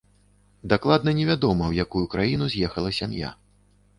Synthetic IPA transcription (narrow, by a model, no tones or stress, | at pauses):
d̪aklˠad̪̚nɐnʲɛvʲad̪ɔmɐwjakujukɾajinuzʲjɛxɐlˠɐsʲamja̰